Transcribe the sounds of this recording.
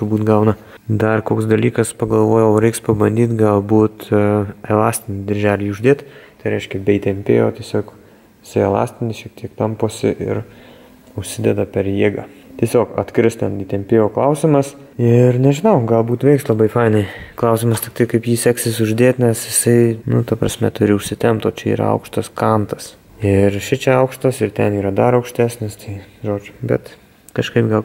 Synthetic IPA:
t̪ʊbuːt̪ɡɐʊnɐ | d̪ɐrkoːksd̪ɐlʲiːkɐspɐɡɐlˠʋoːjooːɾʲɛɪkspɐbɐnʲd̪ʲiːt̪ɡɐlˠbuːt̪ɛlˠɑːsʲt̪ʲɪnʲɪd̪ʲɪɾʲʒʲæːlʲiːʊʒʲd̪ʲeːt̪t̪ɐɪɾʲɛɪʃʲkʲɛbʲɛiːt̪ʲɛmʲpʲḛːjo̰ːt̪ʲiɛsʲoːk | jɪsɐɪɛlˠɑ̰ːsʲt̪ʲɪnʲɪʃʲiɛk̚t̪ʲiɛkt̪ɐmpoːsʲɪʔɪ̰ɾ | ʊʃʲsʲɪd̪ʲɛd̪ɐpʲɛɾjiːɡɑːt̪ʲiɛsʲoːkɐ̰t̪ʲkɾʲɪst̪ʲɛniːt̪ʲɛmʲpʲeːjoːklˠɐʊsʲɪmɐs | ɪrnʲɛʒʲɪnɐʊɡɐlˠbuːt̪ʋʲɛɪkslˠɐbɐɪfɐɪnɐɪklˠɐʊsʲɪmɐst̪ʲɪk̚t̪ɐɪkɐɪpjiːsʲæksʲɪsʊʒʲd̪ʲeːt̪ʲnʲɛsjɪsɐɪnʊt̪ɐpɾɐ̰sʲmʲɛt̪ʊɾʲɪʊʃʲsʲɪt̪ʲɛmpt̪oːt͡ʃʲɛḭːɾɐ̰ɐ̰ʊkʃt̪ɐskɑnt̪ɐs | ɪrʃʲɪt͡ʃʲɛɐʊkʃt̪ɐsɪɾt̪ʲɛniːɾɐd̪ɐɾɐʊkʃʲt̪ʲæːsʲnʲɪst̪ɐɪʒoːd͡ʒʲʊbʲɛt̪ | kɐʃkɐɪpɡɐlˠ

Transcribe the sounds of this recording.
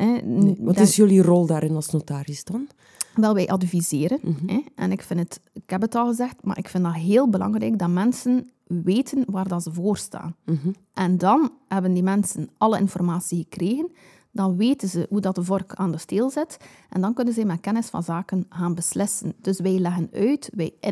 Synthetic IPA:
ɛʋɑtɪsjølirɔlˠdaːɾɪnɑlˠsnotaːɾɪsdɑn | ʋɛlˠʋɛjʔɑdvizeːɾənɛʔɛ̰nɪkfɪnətɪkhɛbətɑlˠɣəzɛxtma̰ːɾʔɪkfɪndɑtɦeːlˠbəlɑ̰ŋrɛ̰jɡ̚dɑtmɛnsən | ʋeːtʰənʋaːrdɑnzəvoːrsta̰ːn | ʔɛndɑnɦɛbəndimɛnsənɑləɪ̰nfɔrmaːsiɣəkreːɣən | d̥ɑnʋeːtənzəɦudɑt̚dəvɔrkaːndəsteːlˠzɪt | ʔɛndɑnkɵnənzɛjmɛt̚kɛnɪsfɑ̰nzaːkənɣaːnbəslɪsənd̥ɵsʋɛjlɛɣənœɥtʋɛj

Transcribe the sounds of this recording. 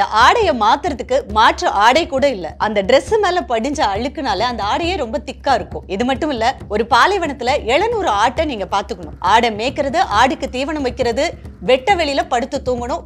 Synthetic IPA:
ɐʔaːɽɐjɐmaːt̪ɯɾɐt̪ːɯkːɯmaːʈrɐʔaːɽɐɪkːuːɽɐɪlːɐ̰ʔɐnd̪ɐɖɾɛsɯmeːlɐpɐɽɪɲd͡ʒɐɐɭɯkːɯnaːlɐɐnd̪ɐaːɽɐjeːɾɔmbɐt̪ɪkːaːɪɾɯkːʊ̰̃ɪðɯmɐʈːɯmɪlːɐɔɾɯpaːlɐɪʋɐɳɐt̪ːɪlɐɛɭɐnuːɾɯaːʈːɐniːŋɡɐpaːɾt̪ɯkːɐɳʊ̰̃ʔaːɽɐmeːkːɪɾɐðɯʔaːɽɯkːɯt̪iːʋɐɳɐmʋɐɪkːɪɾɐðɯʋɛʈːɐʋɛɭɪjɪlɐpɐɽɯt̪ːɯt̪ːuːŋɡɐɳʊ̃

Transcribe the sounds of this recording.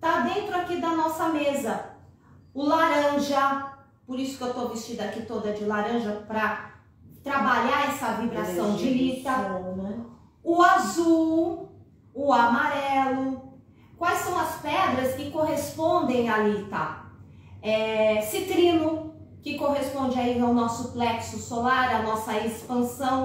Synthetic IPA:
t̪ad̪ẽnt̪ɾʊakid̪ɐnɔsɐmezɐ | ʊlaɾɐ̃ʒɐ | poɾisʊkewt̪ovist͡ʃid̪ʊakit̪od̪ɐd͡ʒɪlaɾɐ̃ʒɐpɾɐ | t̪ɾabaʎaɾɛsɐvibɾassɐ̃w̃d͡ʒɪvit̪aɾnɛ | ʊazuwː | amaɾɛlʊ | kwajsɐ̃w̃ɐspɛd̪ɾɐskɪkoɦespõd̪ẽj̃alit̪a | ɛsit̪ɾĩnʊ | kɪkoɦespõnd͡ʒɪaĩnd̪awnɔsʊflɛksʊsolaɾɐnɔsɐespɐ̃sɐ̃w̃

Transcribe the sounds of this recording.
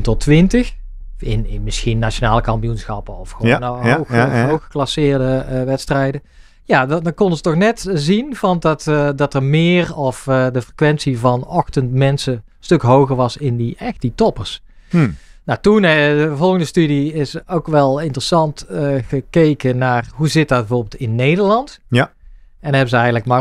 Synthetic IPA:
ntɔtʰʋɪntəx | ɪ̰nɪnmɪsxinːat͡ʃonaːləkɑmpijunsxɑpəɔfxonoxɦowxə̥klɑsɪːɹdəʋɛtstrɛjdə | jaːddkɔndəzətɔxnɛtzinvɑndɑtdɑtərmɪːrɔfdəvəkʋɛnsivɑnɔxtəntmɛnsə | stɵkɦowɣəɹʋɑsɪndiɛxtditɔpərs | nawtunəvɔlˠɣəndəstydiɪsowkʋɛlˠɪntrəsɑntɣəkejkənaːrɦuzɪt̚dɑt̚bəvoːbɪlˠtɪnːejdəɹlɑnt | ɛnɦɛbəzəɛjɣələkmaː

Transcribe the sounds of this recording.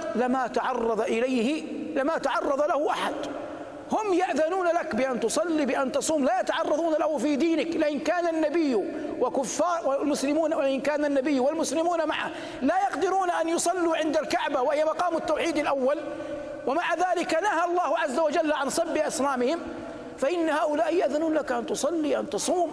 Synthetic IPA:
lɪmat̪aʕɑrˤːɑðˤʔɪlajhɪlɪmat̪aʕɑrˤːɑðˤlahʊʔaħad̪ | hʊmjaʔðanuːnalakbɪʔant̪ʊsˤɑlːibɪʔant̪ɑsˤuːmlaːjat̪aʕɑrˤːɑðˤuːnalahufiːd̪iːnɪklɪʔɪnkaːnanːabɪjːwakʊfːɑːɾˤwalmʊslɪmuːnwʔɪnkaːnanːabɪjːwɪlmʊslɪmuːnamaʕa̰h | lajɑqd̪ɪɾuːnaʔanjʊsˤɑlːuʕɪnd̪alkaʕbawahɪjːamɑqɑːmɪt̪ːawħiːd̪alʔawːal | wamaʕaðaːlɪkanaɦalˤːɑːhʕazːawad͡ʒalːʕansˤɑbːɪʔɑsˤnaːmɪhɪm | faʔɪnːhaːʔʊlaːʔɪjaʔðanuːnlakʔant̪ʊsˤɑlːiʔant̪ɑsˤuːm

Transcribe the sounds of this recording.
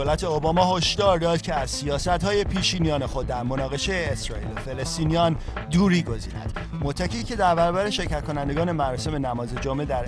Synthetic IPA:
oːlæt̪ʰe̞obɒːmɒːɦo̞ʃd̪ɒːɾd̪ɒːd̪̥̚cʲʰe̞æzsijɒːsæt̪hɒːje̞pʰiːʃiːnijɒːnexo̞d̪̚ːæɾmo̞nɒːɣe̞ʃejeesɾɒ̰ːḭːlofe̞lest̪iːnijɒnd̪uːɾiːɡo̞zḭːnæ̰d̪̥ | mot̪ʰːæciːcʰe̞d̪æɾbæɾɒbæɾeʃe̞ɾcʰæt̪̚kʰo̞nænd̪e̞ɡɒːne̞mæɾɒːse̞me̞næmɒːze̞d͡ʒomʔe̞d̪æɾ

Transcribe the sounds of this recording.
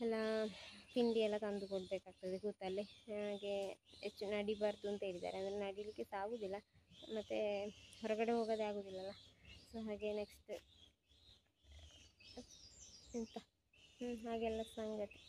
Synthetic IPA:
ɛlːapiɳɖiɛlːɐt̪ɐnd̪ukoɳɖbeːkaːɡ̚t̪ɐd̪ekut̪ːɐlːeɦaːɡeet͡ʃːunɐɽibɐɾd̪uɐnt̪ɐeɾit̪a̰ːɾeɐnd̪ɐɾenɐɽijlikːesaːɡuːd̪ilːɐmɐt̪ːeɦɔɾɐɡɐɽeɦoːɡɐd̪eaːɡoːd̪ilːɐlːɐsoːɦaːɡeneksʈ | int̪ɐ | hɦaːɡeɛlːɐsɐŋɡɐt̪i̥

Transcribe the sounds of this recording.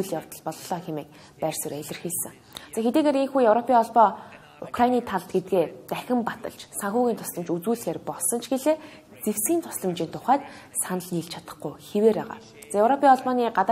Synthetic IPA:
uɮjawt̪ə̆ɮpɔɮɞɮœːxemeːk̚ | pærʲsə̆ræɮɪ̆rxisɘ̆ŋ | t͡saːxet̪iːɣeːɾeŋxuːjɵwɾɔpʰʲiːŋɔɮpɔː | ʊkrainiːt̪ʰaɮt̪ɡet̪̚ɡeːt̪æxʲɪ̆mpat̪ə̰̆ɮt͡ɕsaŋxuːɣʲiːnt̪ʰʊ̥sɮə̆mt͡ɕut͡suːɮ̆xeːrpɔɮsɞ̆nt͡ɕʰɡeɮeː | t͡sew̥sɡiːnt̪ʰʊ̥sɮə̆mt͡ɕiːnt̪ʰʊχæːt̪ | sanə̆ɮniːɮt͡ɕʰat̪ə̥̆χɡʊjxeweːpæːʁa̰ː | t͡sajewɾɔpʰʲiːɔɮpɔːniːɢat̪a

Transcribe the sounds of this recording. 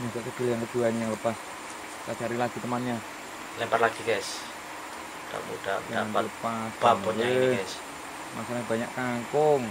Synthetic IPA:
masaʔt̪əd̥iləjankəd̪̥uanjaŋləpas | lat͡ʃaɾilaɡ̥i̤t̪əmanɲa | lɛmparlaɡ̥iɡɛs | da̰ud̥aaanləpasanɔlaɛs | masalaɲab̥a̤ɲaʔkaŋkʊŋ

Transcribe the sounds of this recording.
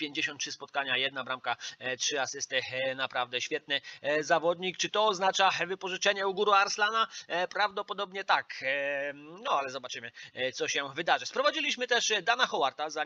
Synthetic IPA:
pʲjeɲd͡ʑeɕɔnt̪̚tʂɘspɔt̪̚kaɲajɛd̪nabɾamkatʂɘasɘst̪ɘnapɾavd̪ɛɕfʲjɛt̪̚nɘzavɔd̪ɲikt͡ʂɘt̪ɔːznat͡ʂavɘpɔʐɘt͡ʂɛɲɛuɡuɾuaɾslanapɾavd̪ɔpɔd̪ɔbɲɛt̪ak | nɔalɛzɔbat͡ʂɘmɘt̪sɔɕɛvɘd̪aʐɘspɾɔvad͡ʑilʲiɕmɘt̪ɛʂd̪anaxɔwaɾt̪aza

